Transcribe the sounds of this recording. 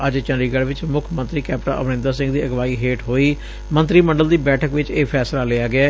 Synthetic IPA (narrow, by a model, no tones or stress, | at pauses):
əd͡ʒt͡ʃənɾiːɡəɽʋɪt͡ʃmʊkʰmə̃nt̪ɾiːkɛːpʈa̰ːʔəʋnɪ̃ːnd̪aːsɪ̃ŋɡd̪iːəɡʋaːiːɦeːʈɦoːiː | mə̃nt̪ɾiːməɳɖəld̪iːbɛːʈʰəkʋɪt͡ʃeːpʰɛːslaːleaːɡɪaː